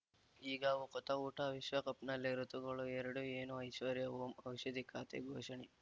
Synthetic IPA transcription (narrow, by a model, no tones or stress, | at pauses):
iːɡɐʋukɔt̪ɐuːʈɐʋiʃʋɐkɐpnɐlːeɾut̪uɡɐɭuɛɾɐɽueːnuɐjʃʋɐɾjɐoːmɐwʃɐd̪ikaːt̪ḛɡʱoːʃɐɳi